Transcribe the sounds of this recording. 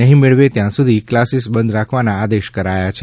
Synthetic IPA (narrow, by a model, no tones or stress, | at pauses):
əɦĩmeɭʋet̪jãsud̪ʱiklasisbənd̪ɾakʰʋanaːd̪eʃkəɾajat͡ʃʰe